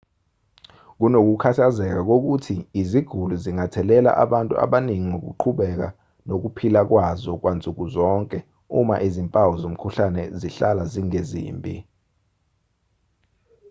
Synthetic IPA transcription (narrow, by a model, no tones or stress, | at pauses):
k̬unok̬ukʰatʰazɛk̬ak̬ok̬utʰiːziɡ̥ʱuluziŋatʰɛlɛla̰ʔaɓantʼṵa̰ɓaniŋiŋok̬ṵǃʰuɓɛk̬a̰ | nok̬upʰilak̬wazɔk̬want͡sʼuk̬uzɔŋkʼɛ | ṵma̰ʔizimpʼawɔzom̩kʰuɬanɛziɬalaziŋezḭːmbʱʼḭ